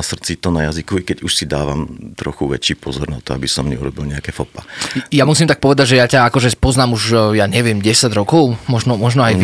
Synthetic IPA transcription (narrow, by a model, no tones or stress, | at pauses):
asr̩t͡sit̪ɔnajazikuikɛɟuʃsid̪aːʋamt̪ɾɔxuʋɛt͡ʃiːpɔzɔɾna̰t̪ɔabisɔmɲɛuɾɔbilɲɛakɛfɔpajamusiːmt̪ak̚pɔʋɛd̪aɟʒɛjacaakɔʒɛpɔznaːmuʒjaɲɛʋɪɛmɟɛsaɟɾɔkɔʊmɔʒnɔmɔʒnɔaj